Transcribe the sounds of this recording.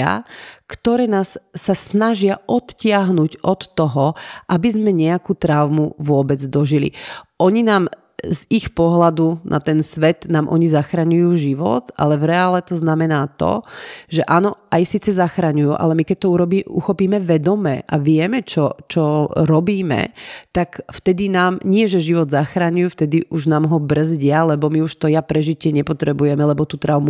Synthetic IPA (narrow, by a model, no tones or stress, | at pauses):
a̰kt̪ɔɾɛːnaːsːasnaʒɪaʔɔt̪cɪaɦnuɟɔt̪ːɔɦɔʔabizmɛɲɛakuːt̪ɾaʊmuʋʊɔbɛd͡zd̪ɔʒilḭʔɔɲinaːm | zixpɔɦlad̪unʔa̰t̪ɛnsʋɛt̪naːmʔɔɲizaxɾaɲujuːʒiʋɔ̰t̪ʔa̰lɛvɾɛalɛt̪ɔznamɛnaːt̪ɔ̰ʒɛʔaːnɔʔajsiːt͡sɛzaxɾaɲujuːʔa̰lɛmikɛc̚t̪ɔuɾɔbiuxɔpiːmɛʋɛd̪ɔmɛ̰ʔa̰ʋɪɛmɛt͡ʃɔt͡ʃɔɾɔbiːmɛ̰t̪akft̪ɛd̪inaːmɲɪɛʒɛʒiʋɔd̪zaxɾaɲujuːft̪ɛd̪iʔuʒnaːmɦɔbr̩zɟɪalɛbɔmiuʃt̪ɔjapɾɛʒicɪɛɲɛpɔt̪ɾɛbujɛmɛlɛbɔt̪ut̪ɾaʊmu